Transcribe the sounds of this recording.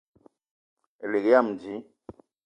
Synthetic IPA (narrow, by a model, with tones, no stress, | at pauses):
e˨le˨kja˦˨m˨d͡ʒi˨˦